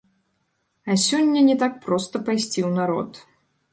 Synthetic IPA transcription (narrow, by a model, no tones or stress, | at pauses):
ɐsʲɔnʲːɐnʲɛt̪ak̚pɾɔst̪ɐpajsʲt͡sʲiwnaɾɔ̰t̪